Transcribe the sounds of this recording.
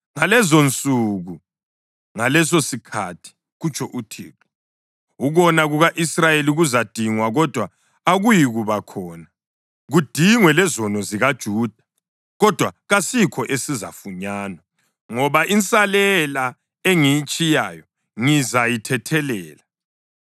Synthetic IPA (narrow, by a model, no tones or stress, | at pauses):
ŋalɛzont͡sʼuɣu | ŋalɛs̬osikʰatʰi̥ | ɣut͡ʃʼʰɔʔutʰḭːkʰɔ̥ | uɣɔnaɣuɣaʔisrajeliɣuzad̥ʱiŋwaɣɔd̥ʱwa | aɣujiɣuβakʰɔːna | ɣud̥ʱiŋwɛlɛzɔnɔziɣad̥ʒ̥ʱuːd̥ʱa | ɣɔd̥ʱwaɣasikʰɔʔesiza̰fuɲaːnwa | ŋɔβaʔint͡sʼalɛla | eŋijit͡ʃʼijaːjɔ | ŋizajitʰɛtʰɛlɛːla